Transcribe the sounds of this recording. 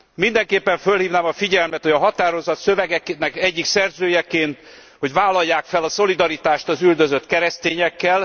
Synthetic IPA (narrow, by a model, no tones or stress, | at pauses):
mind̪ɛŋkeːpːɛɱfølhiːvnaːmɒfiɟɛlmɛt̪ho̞ɟɒɦɒt̪aːɾo̞zɒt̪søvɛɡɛknɛkɛɟːiksɛrzøːjɛkeːnt̪ | ho̞ɟvaːlːɒjːaːkfɛlɒso̞lid̪ɒɾit̪aːʃt̪ɒzyld̪ø̞zø̞t̪kɛɾɛst̪eːɲɛkːɛl